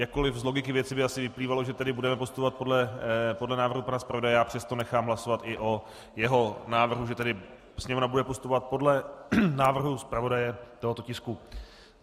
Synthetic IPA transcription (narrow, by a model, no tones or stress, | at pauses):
jakko̞lɪfzlo̞ɡɪkɪvjɛt͡sɪbɪasɪvɪpliːvaloʒɛt̪ɛdɪbudɛmɛpost̪upovat̪̚podlɛpodlɛnaːvɾr̩ɦupanaspɾavo̞dajɛjaːpr̝̥ɛst̪o̞nɛxaːmɦlaso̞vat̪ɪʔo̞ | jɛɦo̞naːvr̩ɦuʒɛt̪ɛdɪ | sɲɛmnabudɛpost̪upo̞vat̪̚po̞dlɛnaːvr̩ɦuspɾavo̞dajɛt̪oɦo̞t̪ocɪsku